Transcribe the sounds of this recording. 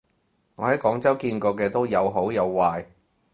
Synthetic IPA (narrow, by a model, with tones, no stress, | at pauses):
ŋɔː˨˧hɐ˨˥jkɔː˨˥ŋt͡sɐ˥wkiː˧nkɔː˧k̬ɛː˧t̪o˥wjɐ˨˧wɦo˨˥wjɐ˨˧wːaː˧j